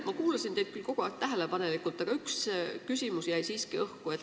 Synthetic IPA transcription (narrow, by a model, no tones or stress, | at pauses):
mɑkuːlɑsind̪ejd̪̥̚kylko̞ɡ̥oæt̪æɦele̞pɑne̞likːˑult̪ːˑɑɡ̥ɑykskysʲimusjæjsiːskiɤhkuet̪ː